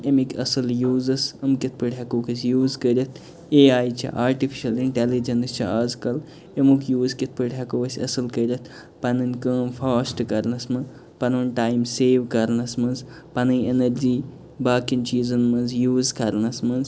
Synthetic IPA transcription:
emikʲɐsɨljuːzɐsɐmkit̪̚ʰpɨɽʲɐkoːkʰisʲjuːzkəɾʲɐt̪ʰ | eːaːjt͡ʃʰḭʔaːɾʈifʰi̥ʃɐliɳʈelid͡ʒɐnst͡ʃʰiaːzkɐl | emukʰjuːzkit̪̚ʰpɨɽʲɦɐkoʋɐsʲɐsɨlkəɾʲɐt̪ʰ | pɐnɨnʲkəːmfʰaːsʈkɐɾnɐsmɨ | pɐnʋɐnʈaːjmseːʋkɐɾnɐsmɐnz | pɐnɨjenɐɾd͡ʒiː | baːkint͡ʃiːzɨnmɨnzjuːzkɐɾnɐsmɐnz

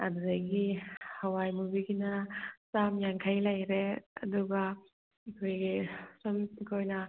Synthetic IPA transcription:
ɐ̰dudaɡihawajmubiɡinɐsamjaŋkʰajlajɾeɐ̰duɡa | ɐkʰojɡisomtikʰojnɐ

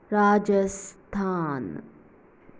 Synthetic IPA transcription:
ɾaːd͡ʒɐst̪ʰaːn

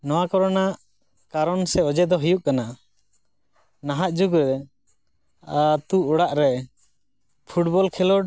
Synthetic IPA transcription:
nɔwakɔɾɔnaʔ | kaɾɔnsɛɔd͡ʒɛd̪ɔɦijuʔ̚kana | naɦaʔ̪̚d͡ʒuɡɾɛ | at̪uɔɽaʔɾɛ | pʰuʈbɔlkʰɛlɔ

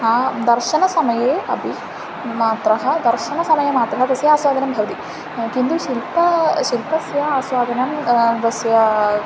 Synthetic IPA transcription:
aːd̪ɐɾʃɐnɐsɐmɐjeːɐ̰bʱi | maːt̪ɾɐɦɐd̪ɐɾʃɐnɐsɐmɐjɐmaːt̪ɾɐɦɐd̪ɐsjɐaːswaːd̪ɐnɐmbʱɐʋɐt̪i | kind̪uʃilpɐʃilpɐsjɐaːsʋaːd̪ɐnɐmd̪ɐsjɐ

